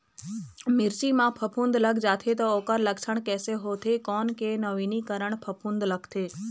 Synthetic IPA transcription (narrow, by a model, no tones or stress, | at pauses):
mɪɾt͡ʃimãpʰəpʰũnd̪ləɡd͡ʒat̪ʰet̪ookəɾləksəɳkɛːseɦot̪ʰekɔːnkenəʋinikəɾəɳpʰəpʰũnd̪ləkt̪ʰeː